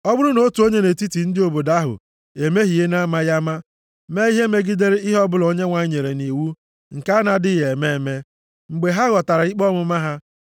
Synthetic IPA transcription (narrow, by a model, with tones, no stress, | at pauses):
ɔ˦bʊ˦ɾʊ˦no˦tu˨o˦ɲe˦ne˨ti˦ti˨n̩˦dɪ˦o˨bo˨da˦ɦʊ̰˨ | e˨me˦ɦi˨e˦na˦ma˦ja˦ma˦ | me˦i˦ɦe˦me˦ɡi˦de˦ɾe˦i˦ɦɔ˦bʊ˦lo˦ɲe˦ŋʷa˨˦ɲe˨ɾe˨ni˨wu˦ | ŋ̩˨ka˦a˦na˨dɪ˦je˨me˦˨me˦ | ŋ͡m̩˨ɡ͡be˨ɦa˦ɣɔ˨ta˨ɾa˨i˦k͡pɔ˦mʊ˦ma˦ɦa˦